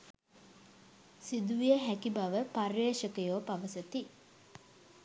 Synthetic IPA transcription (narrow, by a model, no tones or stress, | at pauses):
sid̪uʋijəɦækibaʋəparːeːʃəkəjoːpaʋəsət̪i